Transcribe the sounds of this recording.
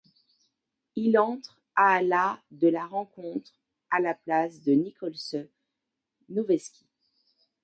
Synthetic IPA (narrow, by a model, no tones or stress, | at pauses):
ilɑ̃t̪χ | aːlad̪əlaʁɑ̃kɔ̃t̪χ | alaplasd̪ənikʰɔlsə | nuvɛskʲi̥